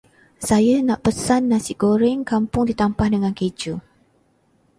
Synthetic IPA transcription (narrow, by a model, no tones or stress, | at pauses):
sajanaʔpəsanːasiʔɡoɾɛŋkampʊŋdit̪ampahdəŋãnked͡ʒu